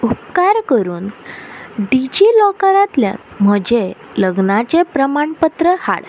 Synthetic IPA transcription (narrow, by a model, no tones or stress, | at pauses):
upkaɾkəɾuːn | ɖid͡ʑilɔkəɾãt̪ljã̰nm̤əd͡ʑe | ləɡnat͡ɕepɾəmaɳpət̪ɾəha̰ɭ